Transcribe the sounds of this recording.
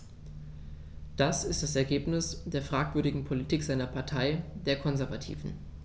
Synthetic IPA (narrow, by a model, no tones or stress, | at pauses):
d̥asɪst̚d̥asɛɐɡeːpnɪsd̥eːɐfʁ̥aːkv̥ʏɐɾɪɡŋ̩pʰolitʰiːkz̥aɪnɐpʰaɐtʰaɪd̥eːɐkʰɔnzɛɐvatʰḭːvn̩